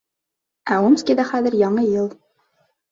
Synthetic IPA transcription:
æumskʲiðæχæðɘ̆ɾjɑɴɤjɤlˠ

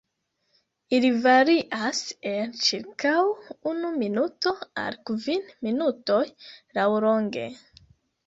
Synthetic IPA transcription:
ilivaɾiʔasent͡ʃiɾkawunuminuto̞a̰lkvinminuto̞jlawɾo̞ŋɡḛ

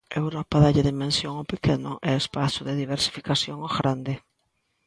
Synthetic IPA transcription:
ewɾɔpaðaʎeðimẽnsjoŋopekenʊʔɛespasʊðeðiβeɾsi̥fi̥kasjoŋoɣɾand̪ɪ

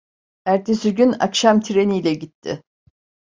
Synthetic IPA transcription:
æɾt̪ʰesyɟyna̰kʃamt̪ʰiɾe̞nijːlʲɛɟit̪ʰːɪ̰

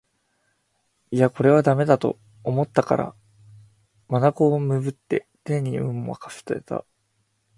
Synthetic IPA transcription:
iako̞ɾe̞βad̪ame̞d̪at̪o̞̰ | omo̞t̪ːaka̰ɾa̰ | manako̞ːmɯ̟bɯ̟t̪ːe̞̰ | t̪ẽ̞ɲ̟ːiɯ̟̃ɴoβa̰kḁsɨ̥t̪ɾet̪a̰

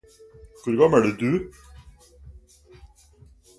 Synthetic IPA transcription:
kʉɾɡɑməɖʉːd̪ʉ

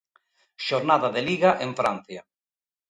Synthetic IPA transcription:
ʃoɾnaðaðeliɣaʔeɱfɾan̟θja

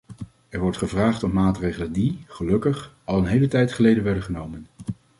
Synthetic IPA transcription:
ɛɹʋɔɹtχəvraːχtɔmmaːtrejχələndiχəlɵkəχ | ɑlˠənɦejlətɛjtχəlejdənʋɛɹdəχənowmən

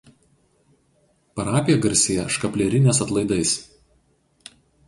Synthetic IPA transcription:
pɐɾɑːpʲɪjɛɡɐɾʲsʲeːjɛʃkɐpʲlʲɛɾʲɪnʲɛːs̬ɐt̪lˠɐɪd̪ɐɪs

